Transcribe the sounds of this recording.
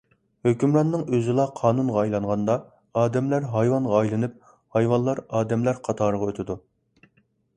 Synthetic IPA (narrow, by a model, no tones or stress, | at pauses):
høkʲymɾɑnːɨŋøzɪlˠɑqʰɑːnunʁɑɑjlˠɑɴʁɑnd̪ɑ | ɑːd̪ɛmlæɾɦɑjwɑnʁɑɑjlˠɨnɨp̚ | hɑjwɑnlˠɑɾɑːd̪ɛmlæɾqʰɑt̪ʰɑːɾəʁɑøt̪ʰɪd̪u